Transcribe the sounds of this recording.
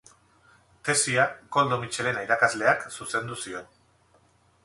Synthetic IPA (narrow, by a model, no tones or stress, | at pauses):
t̪e̞siako̞ld̪o̞mit͡ʃe̞le̞najɾakazle̞aksuse̞nd̪usio̞n